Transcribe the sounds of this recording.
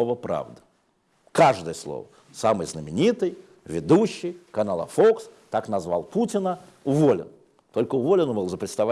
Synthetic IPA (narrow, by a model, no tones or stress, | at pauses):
ovəpɾa̰vd̪ə̥ | kaʐd̪əjəslˠo̰və̰ | samɨjznəmʲɪnʲit̪ɨj | vʲɪd̪uɕːɪjkɐnalˠə̰fokst̪aknɐzva̰lˠputʲɪnə | ʊvolʲɪ̰n | t̪o̞lʲkəʊvolʲɪnbɨlˠzəpɾʲɪt̪st̪ɐva